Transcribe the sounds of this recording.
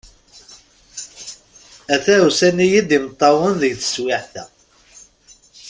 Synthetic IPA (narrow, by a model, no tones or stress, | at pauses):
æθæusænijid̪imət̪ˤːɑwənðəɡθə̥swɪħθæ̰